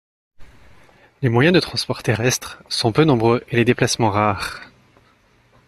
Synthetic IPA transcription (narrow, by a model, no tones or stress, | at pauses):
lemwajɛ̃d̪ət̪χɑ̃spɔʁt̪eʁɛst̪χsɔ̃pønɔ̃bʁøʔeled̪eplasmɑ̃ʁaʁ